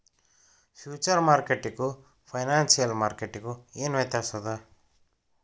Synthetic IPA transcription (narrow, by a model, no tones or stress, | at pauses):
pʰjuːt͡ʃɐɾmaːɾkeʈːiku | pʰɐjnaːnsijɐlmaːɾkeʈːikueːnʋɐjt̪aːsɐd̪a